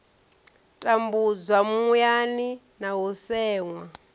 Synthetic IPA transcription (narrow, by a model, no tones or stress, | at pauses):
tʼambud͡zwamjani | naɦusɛːŋwa